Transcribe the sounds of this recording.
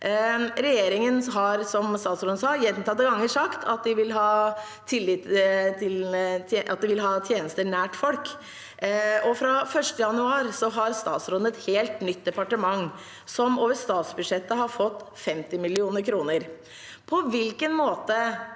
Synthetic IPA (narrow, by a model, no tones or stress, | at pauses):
ɾɛjeːɾɪŋənɦɑɾsɔmst̪ɑːt̪sɾʊnəsɑːjɛnt̪ʰɑt̪ːəɡɑŋːəʂɑkt̪ʰɑt̪̚d̪ɪʋɪlɦɑː | t̪ʰɪlːɪt̪t̪ʰɪlt̪ʰːʔɑ̰t̪̚d̪ɛʋɪlɦɑːt̪ʰjeːnəst̪əɳæːʈfɔlk | ɔfɾɑfœʂʈəjɑnʉɑːɾsɔɦɑɾst̪ɑːt̪sɾʊnəɛt̪heːlt̪nʏt̪̚d̪ɛpɑʈəmɑŋː | sɔmoːʋəɾst̪ɑːt̪sbʉʂɛt̪ːəɦɑɾfɔt̪ːfɛmt̪ɪmɪlɪuːnəɾkʰɾuːnəɾ | pʰɔʋɪlkənmoːt̪ə